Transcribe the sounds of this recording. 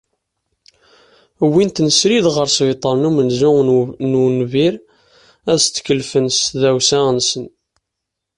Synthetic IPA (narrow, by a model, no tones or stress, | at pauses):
wint̪nəsɾiðʁəɾsvit̪ˤəɾˤnumənzʊnunviɾ | æðst͡s̪ːkəlfənsðæwsæənsən